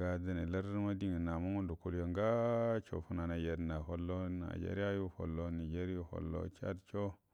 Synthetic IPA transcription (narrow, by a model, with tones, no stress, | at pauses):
a˦da˦ne˨la˦ɾma˦di˦ŋi˨na˨mu˦ŋu˦ndo˨ku˨ljo˨ŋɡa˦t͡ʃo̰˨fu˦na˨na˨je˨dna˨ɦo˨lːo˦na̰˨d͡ʒḛ˦ɾi˦a˦ju˦ho̰˨lːo˦ni˨d͡ʒe˦ɾi˦o˦ho̰˨lːo̰˦t͡ʃa̰˦dt͡ʃo˦